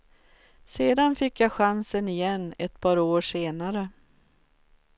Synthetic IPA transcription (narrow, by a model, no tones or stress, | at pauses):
seːd̪anfɪkːjaːɧansənɪjɛnːɛt̪pʰɑːɾoːʂeːnaɾə